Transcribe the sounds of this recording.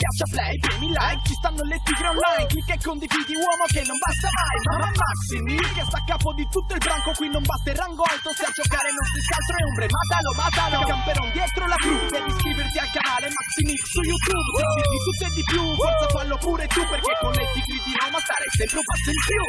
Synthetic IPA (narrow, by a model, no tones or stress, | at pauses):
pjat͡ʃːaplɛjpɛmilːajvt͡ʃist̪anːolːet̪ːiɡɾɔnːajikːekːond̪ivid̪iwɔːmokenːombast̪amajsanamaksimikːest̪akːaːpod̪it̪ut̪ːoilbɾaŋkokwinːombast̪eraŋɡɔlt̪osead͡ʒokaːɾeinɔst̪ɾiskalt̪ɾoeumbɾemat̪alobad̪alkampeɾɔnd̪jɛt̪ɾolakɾud̪ɛːviskɾiːvert̪iakːanaːlemaksimiksujːut̪ub̪eviɾt̪it̪ut̪ːoed̪ipjuosefalːopuːɾet̪upːerkekːonːet̪ːikɾid̪iwɔmost̪aɾɛsɛmp̪ɾupasːoipju